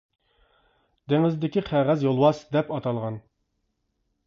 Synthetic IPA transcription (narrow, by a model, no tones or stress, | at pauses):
d̪eŋɪzd̪ɪkʲiqʰæʁæzjolˠwɑsd̪ɛpɑt̪ʰɑlˠʁɑn